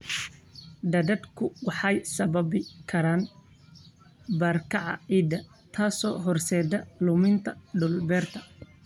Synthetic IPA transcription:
ɖ̪ɐd̪ɐd̪kʰʊwɑħɑjsɐβɐbɪkʰɐɾaːn | bɐrkʰɑʕɑ̰iːd̪ɐ | t̪ʰaːsɔ̰ːɦɔrsɛːd̪ɐlʊmɪnt̪ʰɐɖʊlbɛːrt̪ʰɐ̥

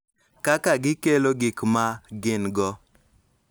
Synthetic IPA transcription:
kakaɡɪkeloɡɪkmaɡɪnɡɔ

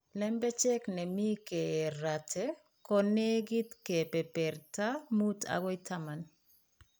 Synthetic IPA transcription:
lɛmbɛt͡ʃɛknɛmikɛɾatʰɛ | kɔnɛɡit̪kɛpɛpɛɾtamuta̰ɣɔjtaman

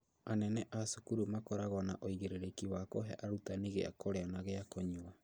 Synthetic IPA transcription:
anɛnɛʔasukuɾumakɔɾaɣwanaʔoiɣeɾeɾekiwakoɦɛ̰ʔaɾutaneɣḛa̰koɾeanaɣeakoɲua

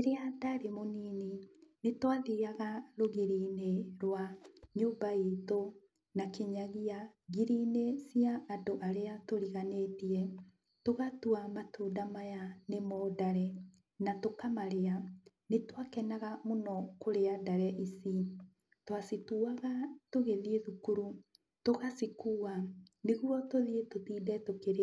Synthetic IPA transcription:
eɾeadaɾemoniːninetwaðiɣaɣaɾoɣiɾineɾwaɲoːmbaito | nakeɲaɣiaɣiɾinesiaʔːdoʔaɾeatoɾiɣaneːtiɛ | toɣatuamatuːdamajanemɔːdaɾɛ | natokamaɾea | netwakɛnaɣamonɔkoɾeadaɾɛʔisi | twasituaɣatoɣeðieðukuɾu | toɣasikuːaneɣuɾɔtoðietotiːdɛtokeɾ

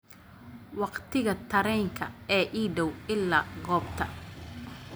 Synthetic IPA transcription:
wɑqt̪ʰɪɣɐt̪ʰɐɾɛŋkʰɐɛːʔiːɖɔwɪlːaːɡɔːbt̪ʰɐ

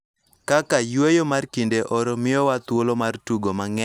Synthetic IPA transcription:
kakajwejomarkindeʔɔɾomɪjɔwat̪wolomartuɡomaŋɛ

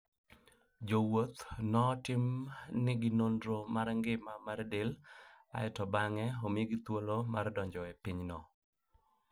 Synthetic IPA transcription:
d͡ʒowot̪nɔtɪmnɪɡɪnondɾomaɾŋɡɪmamaɾdela̰ɛtɔbaŋɛɔmiɡɪt̪wolomardɔɲd͡ʒɔɛpiɲnɔ

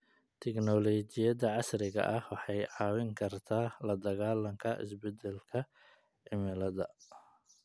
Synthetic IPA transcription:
t̪ʰɛknɔlɔt͡ʃɪjɐðɐʕɑsrɪɣɐ̰ʔɐhwɑħɑjʕɑːwɪŋkʰɐrt̪ʰaːlɐd̪ɐɣaːlɐŋkʰɐʔɪ̰sbɛd̪ɛlkʰɐ | ʕɪmɪlɐðɐ

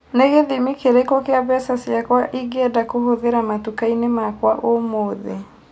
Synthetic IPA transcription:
neɣeðimikeɾekokeaβɛsasjakwaʔiɡɛdakohoðeɾamatukainemakwaʔomoːðḛ

